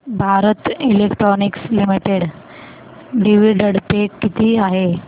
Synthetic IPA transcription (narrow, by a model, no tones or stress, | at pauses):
bʱaɾət̪ilekʈɾɔnikslimiʈeɽ | ɖiʋiɖəɽpekːit̪iːaɦe